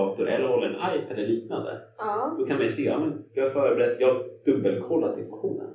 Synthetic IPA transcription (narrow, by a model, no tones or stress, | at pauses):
ɑːt̪ʊɾʔɛ̰lːəɾhɔlːaɛnʔajpʰad̪ɛliːkna̰nd̪ə̰d̪̥ɔkʰanmɛjseːjɑ̰ːmɛnjɑaɾfœːɾəbɛɾɛt̪ːjɑːd̪̥ɵbːəlkʰɔlːaɾɪskʊɧuːnə̰n